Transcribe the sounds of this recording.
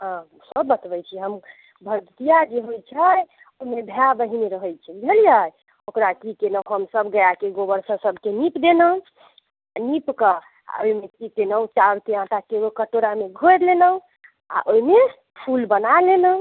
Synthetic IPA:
ɦ | səbːət̪bəjt͡ʃʰiɦəm | bʱəd̪t̪ijad͡ʒeɦot͡ʃʰəj | oimebʱabəɦineɾəɦəjt͡ʃʰɛbʱelijaj | okɾakikenəɦəmsəbɡəjakeɡobəɾsəsəbʱkenipd̪enə | nipkə | a̰oimekikenət͡ʃaɾkeãʈakebokəʈoɾameɡʱoɾlenə | a̰ʔoime | pʰulbənalenə

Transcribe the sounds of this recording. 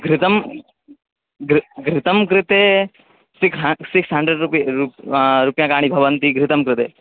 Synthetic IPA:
ɡɾɪt̪ɐm | ɡɾɡɾɪt̪ɐmkɾɪt̪e | sikɦsiksɦɐɳɖɾeɖupɾuɾupjãːkaːɽ̃ibʱɐʋɐnt̪iɡɾɪt̪ɐmkɾɪt̪ḛː

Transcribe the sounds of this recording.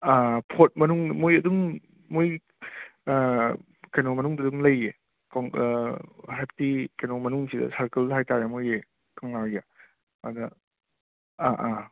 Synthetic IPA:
apʰot̚mɐnuŋmojɐduŋː | oj | kajnomɐnuŋdɐduŋlɐje | kaŋ | ɦep̚tikajnomɐnuŋsidɐ̰saɾkɐlhajtajamoje | kaŋlawja | dɐ | aʔa

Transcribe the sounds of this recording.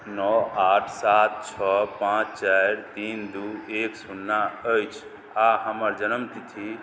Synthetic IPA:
nɔaʈʰsat̪̚t͡ʃʰɔpãt͡ʃt͡ʃajɾt̪ind̪ueksunːaəjt͡ʃʰ | aɦəməɾd͡ʒənəmt̪it̪ʰi

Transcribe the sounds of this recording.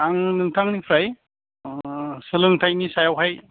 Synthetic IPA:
aŋnɯŋtʰaŋnipʰɾaj | sɯlɯŋtʰajnisajawɦaj

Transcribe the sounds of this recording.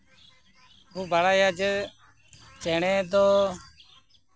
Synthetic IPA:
ɦuːbʱaːɽaːjaːd͡ʒe | t͡ʃeːɳeːt̪̬oː

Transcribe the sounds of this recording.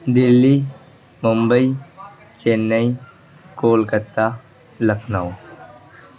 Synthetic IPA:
d̪ɪlːi | mʊmbəi | t͡ʃenːəĩ | koːlkət̪a | ləkʰnaːo

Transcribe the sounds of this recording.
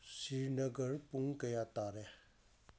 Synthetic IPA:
siɹnəɡərpuŋkəjat̪aɾe

